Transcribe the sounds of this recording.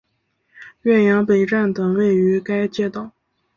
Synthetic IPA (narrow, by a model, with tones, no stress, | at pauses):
ɥɛ˥˩njɑ˧˥ŋpe˨˩ɪʈ͡ʂa˥˩nt̪ə˩ŋwe˥˩ɪy˧˥ka˥ɪt͡ɕjɛ˥˧˩t̪ɑ˥˩˦ʊ